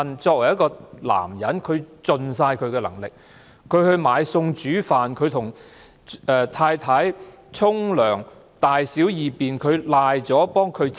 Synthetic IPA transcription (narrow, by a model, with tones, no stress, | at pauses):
nt͡sɔː˧k̚wɐ˨˩jɐ˥tkɔː˧la̰ː˨˩mjɐ˨˥nkʰɵ˨˧ɥt͡sɵ˨ns̬aː˧jkʰɵ˨˧ɥkɛː˧lɐ̰˨˩ŋlɪ˨k̚ | kʰɵ˨˧ɥhɵ˧ɥmaː˨˧jsʊ˧ŋt͡ʃyː˨˥faː˨nkʰɵ˨˧ɥt̪ʰʊ˨˩ŋ | ɛː˨t̪ʰaː˧jt̪ʰaː˨˥j | t͡sʰʊ˥ŋlœː˨˩ŋ | t̪aː˨jsi˨˥wjiː˨˩piː˨nkʰɵ˨˧ɥlaː˧jt͡sɔː˨˥pɔː˥ŋkʰɵ˨˧ɥt͡s